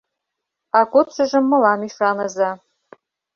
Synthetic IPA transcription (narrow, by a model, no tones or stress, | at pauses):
aɡʷʊt͡ʃʷʰɐʒɨmːɨlamiʂanɐza